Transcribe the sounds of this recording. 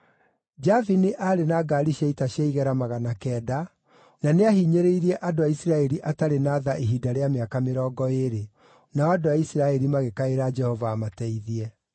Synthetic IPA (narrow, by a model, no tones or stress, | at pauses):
d͡ʒavineʔaːɾenaɡaɾiʃaitaɕjaiɣɛɾamaɣanakɛːda | naneahiɲeɾeiɾiɛʔadoaisiɾaɛɾiʔataɾenaðaʔeɦidaɾeameakameɾɔːɡɔeɾe | naɔadoaisiɾaɛɾimaɣekaeɾad͡ʒɛhɔvaːmatɛiðiɛ